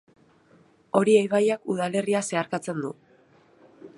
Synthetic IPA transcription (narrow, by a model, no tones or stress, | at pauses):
o̞ɾiejβajakuð̞ale̞riase̞aɾkat͡se̞nd̪u